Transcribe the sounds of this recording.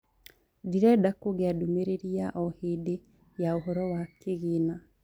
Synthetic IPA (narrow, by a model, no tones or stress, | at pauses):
diɾɛdakoɣeadomeɾeɾiaʔɔhede | jaoɦɔɾɔwakeɣina